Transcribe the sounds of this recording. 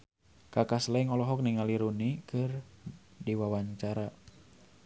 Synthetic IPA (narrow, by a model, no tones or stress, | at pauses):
kakaslɛŋɔlɔɦɔk̚niŋaliɾunikɨr | diwawaɲt͡ʃaɾa